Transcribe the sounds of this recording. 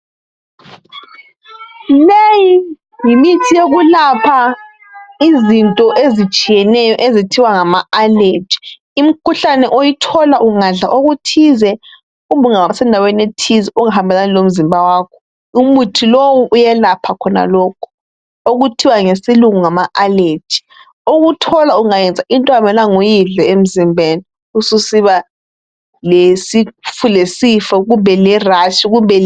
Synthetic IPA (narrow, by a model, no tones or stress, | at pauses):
leji | ŋimitʰijeɣulapʰa | izintʼɔʔezit͡ʃʼijɛnɛjɔʔezitʰiwaŋamaaled͡ʒi̥ | um̩kʰuɬanɛʔojitʰɔlaʔuŋaɮaʔoɣutʰizɛ | uβuŋawasɛndʱawenetʰizɛʔuŋaɦambʱɛlanilom̩zimbʱawaːkʰɔ | umutʰilowuʔujɛlapʰakʰɔna̰lɔkʰɔ̥ | oɣutʰiwaŋesiluŋuŋamaʔaled͡ʒʰi̥ | oɣutʰɔlauŋajɛnd͡zʱaʔintʼɔamɛlaŋujiɮɛem̩zimbʱeni | ususiβa | lesifʰulesifɔɣumbʱɛlɛraʃiɣumbʱɛ